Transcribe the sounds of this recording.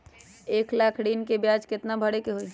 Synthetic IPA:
eːklakʰɽiːnkebjaːd͡ʒkɪt̪nabʱəɽekeɦoi

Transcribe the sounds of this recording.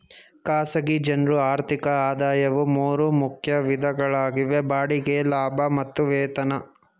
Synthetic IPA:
kaːsɐɡid͡ʒɐnɾuaːɾt̪ʰikɐaːd̪aːjɐʋumuːɾumukʰjɐʋid̪ʱɐɡɐɭaːɡiʋebaːɽiɡelaːbʱɐmɐt̪ːuʋɛːt̪ɐnɐ

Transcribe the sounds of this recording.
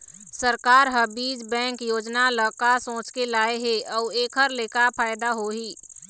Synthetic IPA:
səɾkaːɾɦəbiːd͡ʒbɛ̃ːŋkjoːd͡ʒnaləkasõːt͡ʃkelaːeɦeɔːeːkʰəɾleːkapʰaːjd̪aɦoɦiː

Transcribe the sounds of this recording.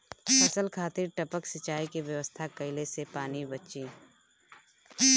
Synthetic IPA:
fɐsəlkʰaːt̪iɾʈɐpəksɐt͡ʃaːikeʋjɐʋəst̪ʰakɐɪlesepaːnibət͡ʃĩː

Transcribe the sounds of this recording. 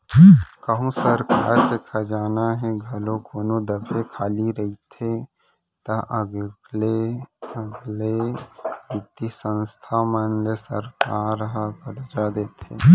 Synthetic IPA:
kəɦũsəɾka̰ːɾd̪eːkʰad͡ʒaːnaɦɛɡʱɐlokʰoːnod̪əbʰʱekʰaːliɾəit̪ʰe | t̪ɐʔəɡleəɡle | bɪt̪isə̃nst̪ʰamənlesə̰ɾkaːɾɦəkəɾd͡ʒad̪eːt̪ʰḛː

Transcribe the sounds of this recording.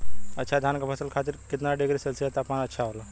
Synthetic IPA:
ətːʃʰad̪ʱjankəpʰəsəlkʰat̪iːɾkit̪naɖeɡɾisəlsijet̪apanətːʃʰaaʋla

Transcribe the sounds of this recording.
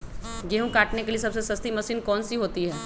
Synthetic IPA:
ɡeːɦũkaːʈnekeliesɐbsesɐst̪imɐsiːnkɔːnsiɦoːt̪iɦɛː

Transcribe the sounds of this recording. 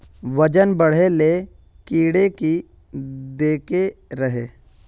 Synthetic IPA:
ʋəd͡ʒənbəɽ̤ele | kiːɽeki | d̪eːkeɾɐɦeː

